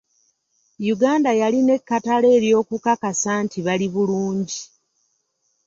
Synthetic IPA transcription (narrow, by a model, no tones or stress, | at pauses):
juɡaːndajaline̞kːatale̞ːɾjo̞ːkukakasaːntiβaliβuluːɲɟi